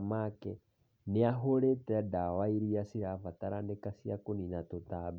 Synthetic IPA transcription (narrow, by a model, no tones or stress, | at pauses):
makɛ | neaɦoɾetɛdawaiɾijasiɾavataɾandekasiakoninatotab